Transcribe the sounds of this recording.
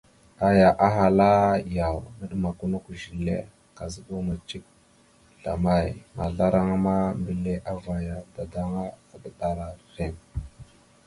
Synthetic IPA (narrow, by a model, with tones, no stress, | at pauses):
a˨ja˨ʔa˦ɦa˨la˦ja˨wnə˦ɗə˦ma˨ku˦nu˦ku˨ʒi˨lḛ˦ | ka˨zə˦ɓu˦ma˨t͡ʃi˦k̚ | ɬa̰˨ma˦˨jma˨ɮa˦ɾa˦ŋa˦ma˦mbi˨le˦ʔa˦va˨ja˨da˨da˦ŋa˦a˨ɗə˦ɗa˨ɾa˨ɾe˦˨ŋ